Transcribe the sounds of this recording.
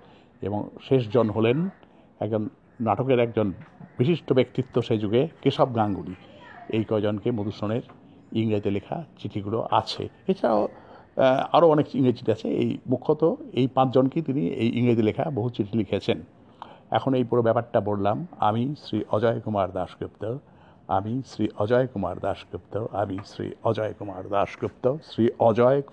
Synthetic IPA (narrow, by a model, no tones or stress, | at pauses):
ḛbo̰ŋʃeʃ̬d͡ʑonɦolen | ɛk̚d͡ʑonː | aʈokeɾɛk̚d͡ʑonb̥iʃiʃʈobekt̪it̪ːoʃed͡ʑuɡekɾiʃɔbɡaŋɡuliejkɔed͡ʑonkemod̪uɾsoneɾ | iŋɾat̪elekʰa̰t͡ɕiʈʰiɡulo̰ʔa̰t͡ɕʰḛ | et͡ɕʰaao | aɾoɔnek̚iŋɡɾed͡ʑt͡ɕi̥ʈʰiat͡ɕʰeḛjmukʰːot̪oejpãt͡ɕʰd͡ʑonkit̪iniḛjʔiŋɡɾed̪ilekʰa̰boɦut͡ɕiʈʰilikʰet͡ɕʰen | ɛ̰kʰonejpuɾobɛpaɾʈːabollama̰misɾiʔɔd͡ʑɔekumaɾd̪aʃkɾipt̪o | a̰misɾiʔɔd͡ʑɔekuma̰ɾd̪aʃkɾip̚t̪oamisɾḭɔd͡ʑɔekumaɾd̪aʃkɾupt̪osɾiʔɔd͡ʑɔe